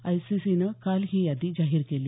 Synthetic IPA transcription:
ajsisinəkalɦiːjad̪iːd͡ʑaɦiɾkeliː

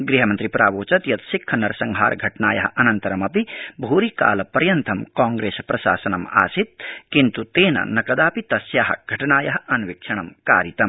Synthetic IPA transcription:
ɡɾiɦɐmɐnt̪ɾipɾaːʋoːt͡ʃɐt̪jɐt̪sikʰːɐnɐɾsɐŋɡɦa̰ːɾɡʱɐʈnaːjɐ̰ɦɐnɐnt̪ɐɾɐmɐpibʱuːɾika̰ːlɐpɐɾjɐnt̪ʰɐmkaːŋɡɾeːspɾɐsa̰ːsɐnɐma̰ːsit̪̚kint̪ut̪eːnɐ̰nɐkɐd̪aːpit̪ɐsjaːɦɐɡ̥ʱɐʈnaːjɐɦɐnʋikʂʰɐɳ̃ɐmka̰ːɾit̪ɐm

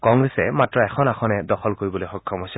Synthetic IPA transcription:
kɔŋɡɹɛsɛmatɹɔɛxʰɔnaxʰɔnɛdɔxɔlkoɹibɔlojxɔkʰjɔmɦojsɛ

